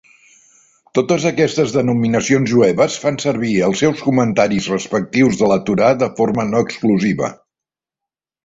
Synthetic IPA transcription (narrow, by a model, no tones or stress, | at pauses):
t̪ot̪əzəkɛst̪əzðənuminəsionzʒuɛβəsfansəɾβiəlˠsɛwskumənt̪aɾizrəspək̚t̪iwzðələt̪uɾaðəformənɔəkskluziβə̰